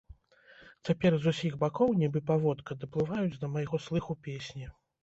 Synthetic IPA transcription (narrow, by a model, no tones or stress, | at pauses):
t͡sʲapʲɛrzusʲiɣbakɔwnʲibɨpavɔt̪kɐd̪ɐplˠɨvajud͡zʲd̪ɐmajɣɔslˠɨxupʲesʲnʲi